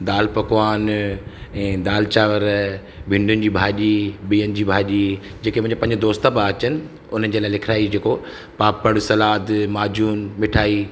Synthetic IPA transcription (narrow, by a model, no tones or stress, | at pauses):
d̪aːlpɐkʋaːn | ɛ̃ːd̪aːlt͡ɕaːʋəɾ | bʱɪ̃ɳɖʱʊnɪ̆d͡ʑiːbʱaːʄiɓiːənɪ̆d͡ʑiːbʱaːʄid͡ʑeːkemʊ̃ɪ̃ɲd͡ʑepɐ̃ɦɪ̃ɲd͡ʑed̪oːst̪ãpãɐt͡ɕənɪ̆ | ʊn̤ənɪ̆d͡ʑeːlaːɪlɪkʰɾaːid͡ʑeːko | paːpəɽsɐlaːd̪maːd͡ʑuːnmɪʈʰaːiː